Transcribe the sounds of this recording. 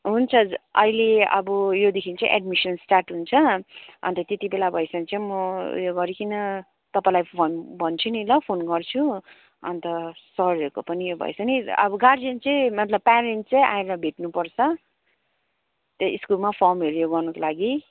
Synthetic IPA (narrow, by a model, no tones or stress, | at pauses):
ɦunt͡sʰʌʌ̰ileʌ̰bʌjod̪ekʰint͡sʌ̃ĩʔɛ̰ɖmisʌnsʈarʈɦunt͡sʰʌʌ̰nt̪ʌt̪et̪ibelabʱʌesʌnt͡sʌĩmʌjoɡʌɾikinʌ | t̪ʌpãlajpʰonbʱʌnt͡sʰunilʌpʰonɡʌrt͡sʰu | ʌ̰nt̪ʌsʌɾiʌɾkopʌnijobʱʌ̰ḛsʌniʌ̰bʌɡaɾd͡zʌnt͡sʌ̃j̃mʌt̪lʌb̚paɾeɳʈ̚t͡sʌj̃ʔa̰eɾʌbʱeʈnupʌrt͡sʰʌ | t̪ʌiskulmapʰʌrmʌɾujoɡʌrnʌkolaɡi